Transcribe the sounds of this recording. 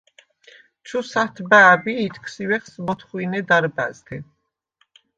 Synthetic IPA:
t͡ʃʰusat̪ʰbaːbiːt̪ʰkʰsiwɛχsmɔt̪ʰχwinɛd̪aɾba̰zd̪ɛ

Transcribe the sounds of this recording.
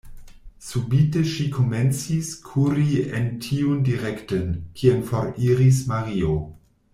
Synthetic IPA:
subiteʃikʰoment͡siskʰuɾientʰiundiɾektonkʰienfoɾiɾis̬maɾio

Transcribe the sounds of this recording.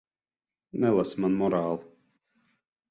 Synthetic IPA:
nɛlˠasmanmɔɾaːlˠ

